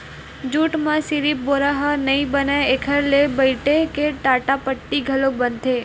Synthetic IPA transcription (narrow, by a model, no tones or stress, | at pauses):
d͡ʒuʈmãsiɾip̚boɾaɦənəĩbənajekʰəɾlebəiʈekeʈaʈapəʈːiɡʱəlobənt̪ʰe